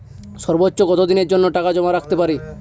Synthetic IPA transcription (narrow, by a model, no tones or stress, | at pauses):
sɔɾbotːɕoɡɔt̪od̪ineɾd͡ʒonːoʈakad͡ʒɔmaɾakʰt̪epaɾi